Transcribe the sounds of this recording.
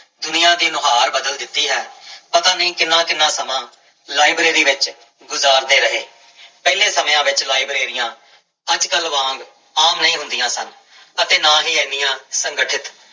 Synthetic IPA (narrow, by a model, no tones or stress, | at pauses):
d̪ʊnijãːd̪iːnʊɦaːɾbəd̪əld̪ɪt̪ːiːɦɛːpət̪aːniːkɪnːãːkɪnːãːsəmãː | laːibɾiːɾiːʋɪt͡ʃ | ɡʊzaːɾd̪eːɾəɦeː | pɛːlẽːsəmːãːʋɪt͡ʃlaːibɾeːɾɪjãː | əd͡ʒkəlʋãːŋɡ | aːmnəĩːɦʊ̃nd̪ɪjãːsən | ət̪eːnãːɦiːẽnɪjãːsəŋɡəʈʰɪt̪